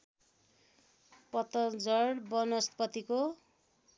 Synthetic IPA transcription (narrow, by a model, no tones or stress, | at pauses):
pʌt̪ʌd͡zʌɽbʌnʌst̪pʌt̪iko